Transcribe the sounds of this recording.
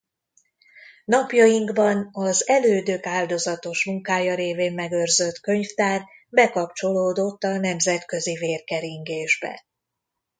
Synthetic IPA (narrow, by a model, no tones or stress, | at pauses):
nɒpjɒjiŋɡbɒnɒzɛløːd̪økaːld̪o̞zɒt̪o̞ʃmuŋkaːjɒɾeːveːmːɛɡø̞rzø̞t̪kø̞ɲft̪aːr | bɛkɒpt͡ʃo̞loːd̪o̞t̪ːɒnɛmzɛt̪kø̞ziveːrkɛɾiŋɡeːʒbɛ̰